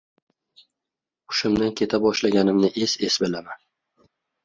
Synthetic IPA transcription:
ʊ̥ʃʊmd̪ankʲʰe̞t̪ʰabɒʃlaɡʲanɪmnɪʔese̞sbɪlaman

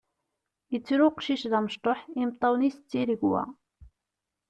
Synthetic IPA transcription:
jət͡sːɾuqʃiʃðæməʃt̪ˤoħimt̪ˤːɑwnist͡sːiɾəɡwæ̰

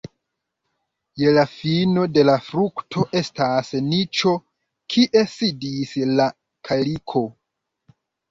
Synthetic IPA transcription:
je̞lafino̞de̞lafɾuktʰo̞ʔe̞stasnit͡ʃo̞ | kʰiʔe̞sidisla | kʰalikʰo̞

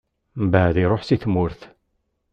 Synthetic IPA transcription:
mbaʕðiɾˤoħsiθmʊɾθ

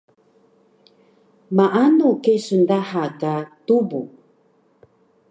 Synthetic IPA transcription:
maʔanukesəndahakatubṵ

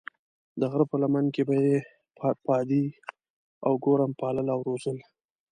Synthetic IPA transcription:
d̪əɣɾəpəlamankebaje | pɑd̪i | a̰wɡoɾampɑləlawɾozəl

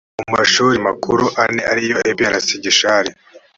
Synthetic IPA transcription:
umaʃuːɾimakuɾuʔaneʔaɾijoeβiaɾasiɟiʃaɾi

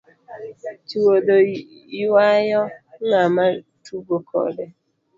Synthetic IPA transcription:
t͡ʃiwodo | iwajɔŋamatubokʰɔ̰dɛ

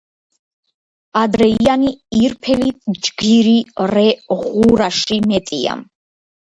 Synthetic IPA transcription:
ad̪ɾɛianiiɾpʰɛlit̪̚ʰd͡ʒɡiɾiɾɛʁuɾaʃimɛt̪ʼia̰m

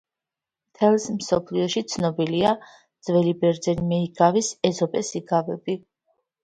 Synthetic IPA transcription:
mt̪ʰɛlˠsmsɔpʰliɔʃit̪sʰnɔbilia | d̪z̥vɛlibɛɾd̪zɛnimɛiɡavisɛzɔpʼɛsiɡavɛbi

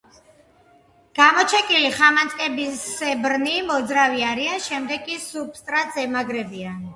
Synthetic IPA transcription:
ɡ̥amɔt͡ʃʰɛkʼiliχamant̪ʼkʼɛbisɛbɾnimɔd̪zɾaviaɾianʃɛmd̪ɛɡ̚kʼːisup̚st̪ʼɾat̪zɛmaɡɾɛbian

